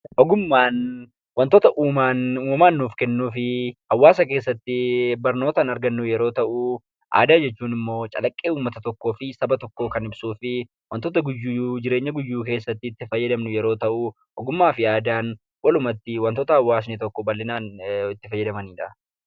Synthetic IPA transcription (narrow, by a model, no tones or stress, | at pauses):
ʔɔɡʊmːaːn | wɐnt̪oːt̪ɐʔuːmaːnuːmɐmaːnːuːfkɛnːuːfɪhɐwːaːsɐk̬e̞ːsːɐt̪ːɪbɐɾno̞ːt̪anɐɾɡɐnːʊjɛɾo̞ːt̪ɐʔʊ | ʔa̰ːd̪aːd͡ʒɛt͡ʃːuːnɪmːo̞ːt͡ʃʼɐ̰lɐkʼːeːuːmːɐt̪ɐt̪ɔkːo̞ːfɪsɐbɐt̪ɔkːo̞ːkɐnɪbsuːfɪ | wɐnt̪oːt̪̬ɐɡʊjːud͡ʒɪɾe̞ːɲːɐɡʊjːuːk̬e̞ːsːɐt̪ːɪːt̪ːɪfɐjːɛd̪ɐmnʊjɛɾoːt̪ɐʔʊ | ʔɔɡʊmːaːfɪaːd̪aːn | wɐlʊmɐt̪ːɪwɐnt̪oːt̪ɐhɐwːaːs̬nɪt̪ɔkːɔbɐlːɪnaːnɪt̪ːɪfɐjːɛd̪ɐmɐniːᶑɐ